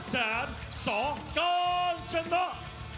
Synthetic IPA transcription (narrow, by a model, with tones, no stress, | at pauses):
zaː˧˨˦n | sɔ˧˩˦kɔ˧nt͡ɕɛ˧nːɔ˧˦